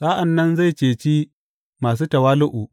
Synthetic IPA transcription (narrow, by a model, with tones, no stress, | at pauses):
saː˦ʔa˨nːɐ˦nza˦˨jt͡ʃeː˨t͡ʃiː˦ | maː˨s̬uː˦tɐ˨waː˦lʊ˦ʔu˨